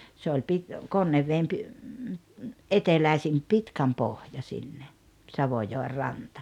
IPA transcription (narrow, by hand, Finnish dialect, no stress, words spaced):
se olʲ pit konːeʋːeːm pi ʔetelæisim pitkæmpohjɑ sinːe sɑʋojoer rɑntɑ